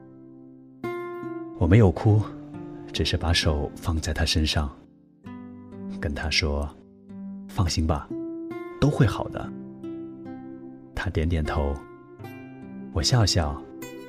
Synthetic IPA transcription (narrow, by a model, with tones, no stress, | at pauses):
wɔ˨˩me˧˥ɪjo˨˩ʊkʰu˥ | ʈ͡ʂɻ̩˨˩ʂɻ̩˥˩pa˧˥ʂo˨˩ʊfɑ˥˧ŋt͡sa˥˩ɪt̪ʰa˥ʂə˥nʂɑ˥˩ŋ | kə˥nt̪ʰa˥ʂwɔ˥ | fɑ˥˩ŋɕi˥ŋbɐ̰˨ | t̪o˥ʊxwe˥˩ɪxɑ̰˨˩ʊd̪ə̰˦ | t̪ʰa˥t̪jɛ˧˥nt̪jɛ˨˩nt̪ʰo˧˥ʊ | wɔ˨˩ɕjɑ˥˧ʊɕjɑ˥˩ʊ